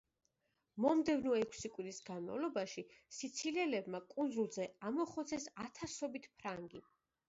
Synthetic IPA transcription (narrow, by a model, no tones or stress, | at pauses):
mɔmd̪ɛvnɔɛkʰsikʼwiɾisɡanma̰vlˠɔbaʃisit̪sʰilɛlɛbmakʼund̪zulˠzɛamɔχɔt̪sʰɛsat̪ʰasɔbit̪ʰpʰɾaŋɡi